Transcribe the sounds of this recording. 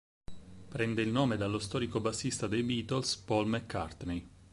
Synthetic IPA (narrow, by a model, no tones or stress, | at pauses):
pɾɛnd̪eilnoːmed̪alːost̪ɔːɾikobasːist̪ad̪ejbiːt̪olspɔlmɛkʰːart̪nej